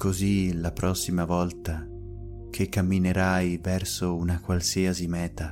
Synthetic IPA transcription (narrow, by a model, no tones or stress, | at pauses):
kʰozilapɾɔsːimavɔlt̪a | kʰekːamːineɾajvɛrsounakwalsiasimɛːt̪a